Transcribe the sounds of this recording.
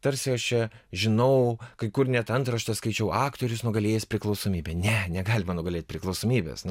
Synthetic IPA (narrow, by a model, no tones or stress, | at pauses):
t̪ɐɾʲsʲɪɐʃt͡ʃʲɛʒʲɪnɐʊkɐɪkʊrnʲɛt̪ɐnt̪ɾɐʃt̪ɐskɐɪt͡ʃʲɛʊɑːkt̪oːɾʲʊsnʊɡɐlʲeːjɛsʲpʲɾʲɪklˠɐʊsoːmʲiːbʲenʲɛnʲɛɡɑːlʲɪmɐnʊɡɐlʲeːt̪̚ʲpʲɾʲɪklˠɐʊsoːmʲiːbʲḛːsn